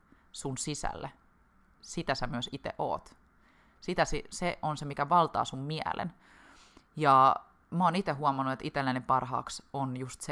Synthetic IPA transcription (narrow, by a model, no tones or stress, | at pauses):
sunsisæ̰lːe | sit̪æsæmyøsit̪ḛʔo̰ːt̪ | sit̪æsiseʔonsemikæʋɑlt̪ɑ̰ːsummiæ̰lʔḛn | jɑ | moːnit̪eɦuomɑnːuet̪it̪elːænempɑrɦɑ̰ːksonjust̪se